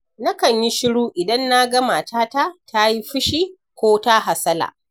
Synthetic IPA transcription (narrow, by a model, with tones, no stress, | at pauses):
na˦kɐ˨ɲji˦ʃɪ˦ɽuː˦ʔɪ˨dɐ˦nːa˦ɡɐ˦ma˨taː˦ta˦tʰa˦ji˦ɸʊ˦ʃiː˦ | kʷoː˦ta˦ɦa˨sɐ˦la̰ː˨